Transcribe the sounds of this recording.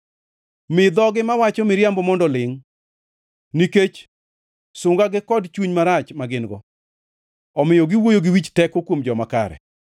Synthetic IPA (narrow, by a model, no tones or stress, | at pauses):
mɪd̪ɔɡɪmawat͡ʃɔmɪɾjambɔmɔndɔlɪŋ | niket͡ʃ | sʊŋɡaɡɪkɔdt͡ʃuɲmaɾat͡ʃmaɡɪnɡɔ̰ | ɔmɪjoɡɪwojoɡɪwit͡ʃtɛkokwomd͡ʒɔmaka̰ɾɛ̰